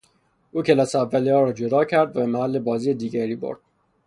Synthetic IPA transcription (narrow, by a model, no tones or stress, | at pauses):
ʔuːcʰelɒːseævːælijɒːɾɒːd͡ʒo̞d̪ɒːcʰæɾd̪væbemæhælːe̞bɒːziːjed̪iːɟæɾiːbo̰ɾd̪̥̚